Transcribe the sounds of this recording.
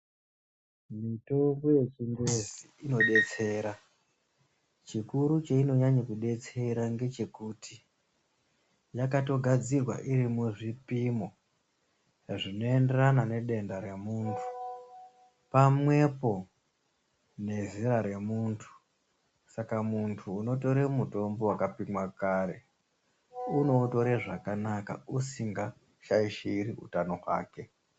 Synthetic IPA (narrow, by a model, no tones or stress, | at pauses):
mito̞mɡo̞je̞t͡ʃindeziino̞ɗe̞t͡se̞ːɾa | t͡ʃikuɾut͡ʃeino̞ɲaɲakuɗe̞t͡se̞ɾaŋɡe̞t͡ʃe̞kutʰi | jakato̞ɡʱad͡zirwa̰ʔiɾimuʐipimo | ʐino̞e̞nde̞ranane̞ɗe̞ndaɾe̞muːntʰu̥ | pamwe̞po̞ | ne̞ziɾaɾe̞muntʰu̥ | sakamuntʰuːno̞to̞ɾemuto̞mbo̞wakapimwakaːɾe̞ | uno̞to̞ɾeʐakanaka̰usiŋɡa | ʃaiʃiriṵtano̞ɦwa̰ːke̞